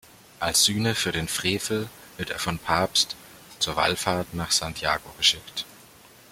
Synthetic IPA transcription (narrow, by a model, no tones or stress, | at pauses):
ʔalsz̥yːnəfyːɐɾeːnfʁ̥eːfl̩v̥ɪɐteːɐfɔnpʰaɐpst | t͡suːɐva̰lfaːɐtnaːχz̥aŋtʰja̰ːɡoɡəʃɪkt